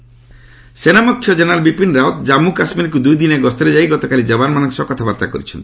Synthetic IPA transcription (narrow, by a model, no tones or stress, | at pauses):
senamɔkʰjɔd͡ʒenalbipinɾaot̪d͡ʒamukasmiɾkud̪ujd̪ineɡɔst̪ɔɾed͡ʒajɡɔt̪ɔkalid͡ʒɔbanmanɔ̃ŋkesɔkɔt̪ʰabaɾt̪akɔ̰ɾit͡ʃʰɔnt̪i̥